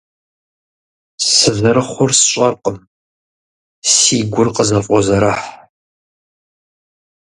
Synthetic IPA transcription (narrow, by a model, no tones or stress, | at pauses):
sɨvɨɾɨχʷʊrsɕʼɐrqəm | siːɡʷʊrqəzɐfʼɔzɐɾaħ